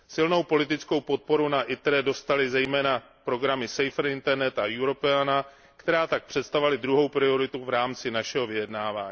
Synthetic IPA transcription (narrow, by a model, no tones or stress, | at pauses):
sɪlno̞wpo̞lɪt̪ɪt͡sko̞wpo̞t̪̚po̞ɾunaʔɪt̪ɾɛdo̞st̪alɪzɛjmɛːna | pɾo̞ɡɾamɪsɛjfɾ̩ɪnt̪ɛɾnɛt̪ajuɾo̞pɛana | kt̪ɛɾaːt̪ak̚pr̥ɛt̪st̪avalɪd̪ɾuɦo̞wpɾɪo̞ɾɪt̪uvɾaːmt͡sɪnaʃɛɦo̞vɪjɛdnaːvaːɲi